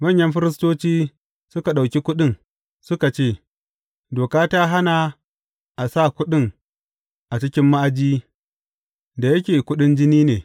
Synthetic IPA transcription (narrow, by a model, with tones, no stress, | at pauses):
mɐ˦ɲjɐ˦mɸɪ˦ɾɪ˦stoː˦t͡ʃiː˦ | sʊ˦ka˨ɗa˨wkʲi˦kʷʊ˦ɗɪ˦ŋ | sʊ˦ka˨t͡ʃeː˦˨ | doː˨kaː˦ta˦ɦa˦na˨ | ʔa˨sa˦˨kʷʊ˦ɗɪ˦˨ŋ | ʔa˨t͡ʃɪ˦kʲɪ˦mːa˦ʔa˨d͡ʒiː˦ | da˨jɐ˦kʲeː˨kʷʊ˦ɗɪ˦nd͡ʒɪ˦niː˦neː˨